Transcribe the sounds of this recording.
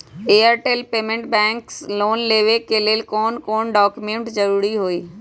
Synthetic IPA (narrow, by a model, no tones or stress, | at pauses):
eːaɾʈeːlpeːmẽɳʈbɛ̃ːŋksloːnleːʋekeleːlkoːnkoːnɖɔːkjumẽɳʈzɐɾuːɾiɦoːiː